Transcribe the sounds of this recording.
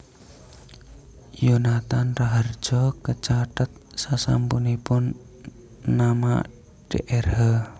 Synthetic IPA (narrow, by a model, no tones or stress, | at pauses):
junat̪anraɦərd͡ʒ̥ɔkət͡ʃaʈət̪̚sasa̰mpunipʊnː | ama̰ | ɖ̥ḛʔɛrhə